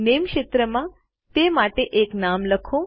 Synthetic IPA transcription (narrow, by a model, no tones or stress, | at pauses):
nemkʃet̪ɾəmã | t̪emaʈeʔeknamləkʰo